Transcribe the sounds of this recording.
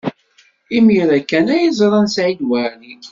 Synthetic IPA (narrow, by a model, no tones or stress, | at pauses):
imiɾækːænæjəzˤɾˤənsʕid̪wæni